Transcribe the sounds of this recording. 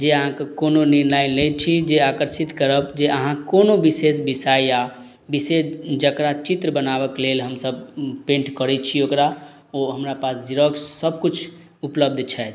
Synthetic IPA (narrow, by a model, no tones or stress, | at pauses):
d͡ʒeəɦãkekononinlainlet͡ʃʰid͡ʒeakəɾsit̪kəɾəbd͡ʒeʔəɦãkonobisesbisajja | bisesd͡ʒəkɾat͡ʃit̪ɾəbənabəklelɦəmsəbpẽɳʈkəɾɛt͡ʃʰiokɾa | oɦəmɾapasd͡ʒiɾəksəbkut͡ʃʰ | upləb̚d̪ʱt͡ʃʰɛt̪